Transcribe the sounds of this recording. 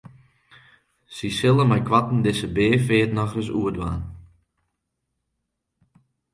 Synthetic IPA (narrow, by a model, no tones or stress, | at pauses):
sisɪlˠəmɛjkʰwatn̩dɪsəbeːfɪːtnɔxrəsuədʋa̰ːn